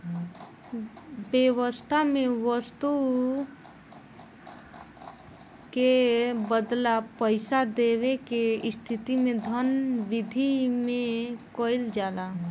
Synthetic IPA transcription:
bewəst̪ʰamẽʋəst̪u | kebəd̪lapəɪsad̪eʋekest̪ʰit̪imẽd̪ʱənʋid̪ʱimẽkoɪld͡ʒaːla

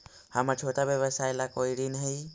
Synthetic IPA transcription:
hamat͡ʃʰoːʈabjəʋəsaːjlakoːiɽiːnəɦi

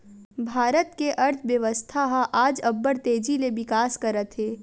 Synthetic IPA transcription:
bʱaːɾət̪keʔɐɾt̪ʰʋjəʋəst̪ʰaɦʔaːd͡ʒɐbːəɾt̪eːd͡ʒileʋɪkaːskɐɾət̪ɦeː

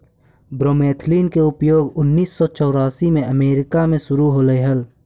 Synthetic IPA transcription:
bɾoːmeːt̪ʰliːnkeʊpjoːɡʊnːiːsːɔt͡ʃɔːɾaːsimẽʔəmeːɾɪkamẽʃʊɾuɦoːləeɦəl

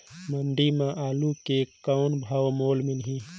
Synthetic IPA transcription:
mɐɳɖimãʔaːlukekawnbʱawmoːlmɪlɦĩː

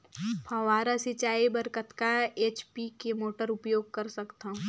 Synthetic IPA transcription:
pʰɐ̃ʋaːɾasɪt͡ʃaːibɐɾkət̪kaeːt͡ʃpikemoːʈəɾʊpjoːɡ̚kɐɾsɐkt̪ã

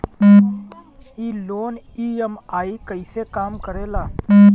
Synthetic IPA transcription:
iːloːn | iemaːikəɪsekaːmkəɾelaː

